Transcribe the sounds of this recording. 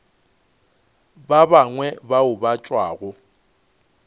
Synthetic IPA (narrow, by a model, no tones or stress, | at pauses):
babaŋwɛbaʊbat͡ʃʼwaːɣʊ